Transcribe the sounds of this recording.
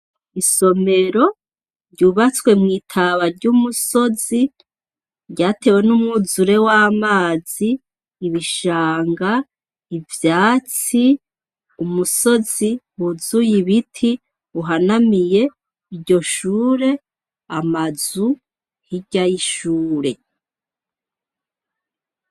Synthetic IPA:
isome̞ɾo̞ | ɾɟuβat͡swe̞mŋiːtʰaβaɾɟumuso̞zi | ɾɟaːte̞we̞numŋuzuɾe̞waːmaːz̥iː | βiʃaːŋɡa | ivjaːt͡si | umuso̞z̥ihuzujiβitʰi | uɦanamije̞ | iɾɟo̞ʃuːɾe̞ | amazu | hiɟajiʃuːɾe̞

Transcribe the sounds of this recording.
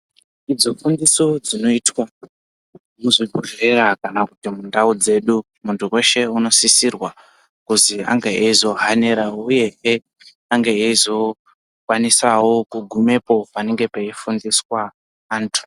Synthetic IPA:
id͡zo̞fundiso̞d͡zino̞itwa | muziɡʱuʐerakanakutimundaud͡ze̞ɗu | muntʰuwe̞ʃe̞uno̞sisirwa | kuzia̰ŋɡeeizo̞ɦane̞ɾauje̞ɦe | aŋɡeeizo̞ | kwanisawo̞kuɡʱume̞po̞pane̞ŋɡe̞peifundiswaː | ntʰu̥

